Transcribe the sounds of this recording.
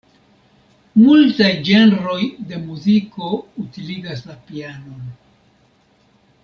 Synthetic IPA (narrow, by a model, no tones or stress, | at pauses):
multajd͡ʒe̞nɾo̞jde̞muziko̞utiliɡaslapiano̞n